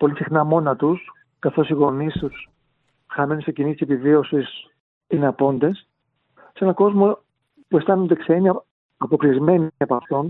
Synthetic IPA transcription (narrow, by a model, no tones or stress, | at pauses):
po̞lisixnɐmo̞nɐt̪us | kɐθo̞siɣo̞nist̪us | xɐmenisecinit̪ise̞pivio̞sis | ineɐpo̞nd̪e̞s | se̞nɐko̞zmo̞ | pue̞st̪ɐnond̪e̞seeɲɐː | po̞klizme̞nepɐft̪o̞n